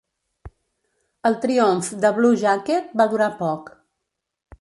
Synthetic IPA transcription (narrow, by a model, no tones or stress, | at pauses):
əlˠt̪ɾioɱfd̪əβluʒaket̪̚baðuɾapɔk